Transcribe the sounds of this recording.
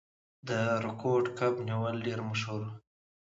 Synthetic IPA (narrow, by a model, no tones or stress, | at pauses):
d̪əɾɪkʰoɖkabniwəlɖeɾmaʃhuɾ